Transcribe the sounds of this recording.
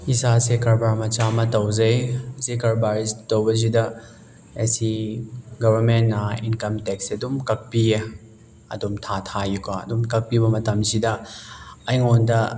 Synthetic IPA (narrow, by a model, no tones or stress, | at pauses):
isasekɐɾbaɾmɐt͡ʃamɐtɐwzɐjsekɐɾbaɾistɐwbɐs̬idɐ | esiɡɐβɐɾmentːɐinkɐmtek̚seɐdumkɐk̚pije | ɐ̰dumtʰatʰajukaɐ̰dumkɐk̚pibɐmɐtɐmsidɐː | jŋondɐ